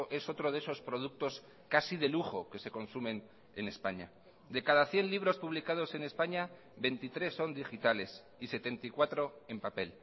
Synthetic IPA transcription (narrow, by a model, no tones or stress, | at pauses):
ʔe̞so̞t̪ɾoðeso̞spɾo̞ð̞uk̚t̪o̞s | kasið̞e̞luxo̞ke̞se̞ko̞nsumẽ̞n | ene̞spaɲa̰ | d̪e̞kaðaθje̞nliβ̞ɾo̞spuβ̞likað̞o̞se̞ne̞spaɲa | be̞nt̪it̪ɾe̞sːo̞nd̪ixit̪ale̞s | ise̞t̪e̞nt̪aikwat̪ɾoe̞mpape̞l